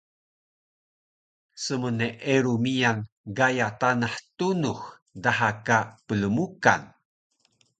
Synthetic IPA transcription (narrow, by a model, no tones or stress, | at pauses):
səməneʔeɾumijan | ɡajatanaħtunux | daɦakapələmuka̰n